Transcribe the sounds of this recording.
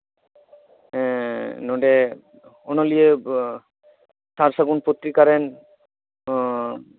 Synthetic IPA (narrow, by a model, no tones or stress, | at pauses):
ɛ̃noɖe | onolije | taɾsaɡunpot̪ːɾikaɾen